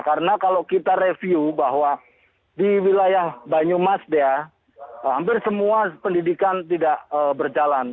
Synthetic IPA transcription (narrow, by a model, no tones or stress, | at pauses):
kaɾənakalokit̪aɾefiubaɦwa | diwilajahbaɲumasdɛa | ampɪrsəmuapəndidikant̪idaʔəbərd͡ʒalan